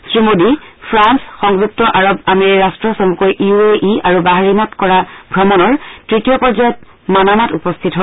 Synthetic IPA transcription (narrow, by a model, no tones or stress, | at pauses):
sɹimodipʰɹansxɔŋzuk̚tɔʔaɹɔbameɹikastɹɔsomukojʔiueʔiaɹubaɦaɹimɔtkɔɹabʱɹɔmɔnɔɹtɹitijɔpɔɹd͡ʒajɔt̚ | manamatupɔstʰitɦɔ